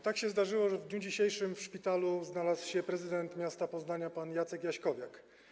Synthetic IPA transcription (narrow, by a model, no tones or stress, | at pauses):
t̪akɕɛzd̪aʐɘwɔʐɛvd̪ɲud͡ʑiɕejʂɘmfʂpʲit̪aluznalaswɕɛpɾɛzɘd̪ɛnt̪mʲjast̪apɔznaɲapanjat̪sɛkjaɕkɔvʲjak